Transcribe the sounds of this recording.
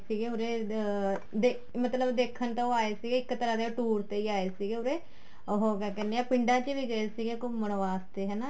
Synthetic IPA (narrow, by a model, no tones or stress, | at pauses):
siːɡeːʊɾeː | d̪e | mət̪ləbd̪eːkʰːənt̪ãoːaːeːsiːɡeːɪkːt̪əɾaːd̪eːʈuːɾt̪eːiːaːeːsiːɡeːʊɾeː | ɦoːɡɛːkɛːneːaːpɪɳɖaːt͡ʃəʋiːɡəesiːɡeːkomənʋaːst̪eːɦɛːnaː